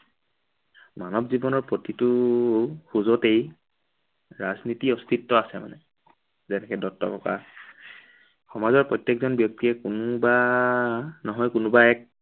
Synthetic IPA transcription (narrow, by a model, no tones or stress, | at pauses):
manɔbzibɔnɔɹpɹotitʊ | xuzotej | ɹaznitiɔst̪ʰitːɔasɛma̰nɛ | zɛtʰɛkɛdɔtːɔ̰kɔka̰ | xɔmazɔɹpɹɔjtːjekzɔnbjɔk̚tiɹɛkunʊba | nɔɦɔjkunʊbaɛk̚